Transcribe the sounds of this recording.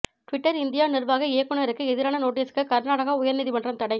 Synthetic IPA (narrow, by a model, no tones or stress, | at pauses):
ʈʋɪʈːɐɾɪnd̪ɪjaːnɪrʋaːɣɐeːkːɯɳɐɐɾɯkːɯɛðɪɾaːnɐnoːʈ̬ːiːskːɯkɐɾnaːɽɐɣaʊjɐɾniðimɐndrɐmt̪ɐɽɐɪ